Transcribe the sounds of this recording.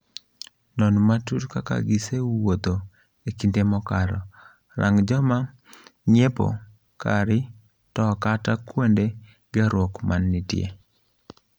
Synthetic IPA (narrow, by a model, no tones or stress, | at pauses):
nɔnmatuɾka̰ka̰ɡiseuwod̪o | ekindemɔkaɾɔ̰ | ɾa̰ŋd͡ʒɔma | ɲepo̰ | kaɾɪ | tɔkatakwonde | ɡaɾwɔkmanːɪtjḛ